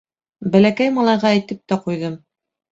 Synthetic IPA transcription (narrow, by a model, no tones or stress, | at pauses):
bælækæjmɑlˠɑjʁɑæjt̪ɘp̚t̪æqujðɤm